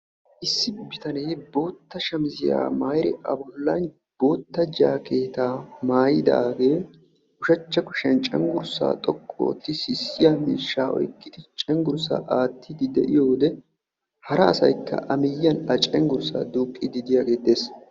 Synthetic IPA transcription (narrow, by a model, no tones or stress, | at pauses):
ʔɪsːɪbɪt̪ɐnejbo̞ːt̪ːɐʃɐmɪzɪja̰ːmaːjɾɪʔɐ̰bɔlːɐn | b̥o̞ːt̪ːɐd͡ʒaːke̞ːt̪aːmaːjɪd̪ɐːɡe̞ː | ʊʃɐt͡ʃːɐkʊʃɛnt͡ʃʼɛŋɡʊɾsa̰ːt̪ʼɔkʼːo̰ːt̪ːɪsɪsːɪjaːmiːʃːaːʔɔ̰jkːɪd̪ɪt͡ʃʼɛŋɡʊɾsa̰ːʔaːt̪ʰːɪd̪ɪd̪ɛʔɪjo̞ːd̪ɛ | hɐɾɐːsɐ̰jkːɐ̰ʔɐmɪjːɐnɐt͡ʃʼɛŋɡʊɾsa̰ːd̪uːkʼːɪd̪ɪd̪ɪjaːɡe̞ːd̪eːs